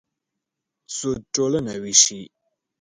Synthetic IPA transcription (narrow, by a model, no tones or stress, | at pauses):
soʈ͡ʂolənawiɕi